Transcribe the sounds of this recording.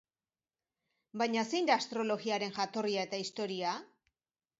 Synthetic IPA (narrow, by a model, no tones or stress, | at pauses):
bajɲase̞jnd̪aːst̪ɾo̞lo̞ɣiaɾe̞nʝat̪o̞riae̞t̪aist̪o̞ɾia